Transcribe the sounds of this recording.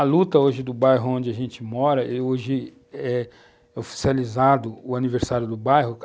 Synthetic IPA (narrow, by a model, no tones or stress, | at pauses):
ɐlut̪ɐoʒɪd̪ʊbajɦʊõnd͡ʒɪɐʒẽnt͡ʃɪmɔɾɐʔeoʒɪ | ɛ | ofi̥sializad̪ʊʊaniveɾsaɾjʊd̪ʊbajɦʊ